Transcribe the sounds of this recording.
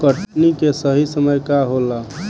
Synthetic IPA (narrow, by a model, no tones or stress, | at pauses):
kəʈnikesəɦisəməjkaɦola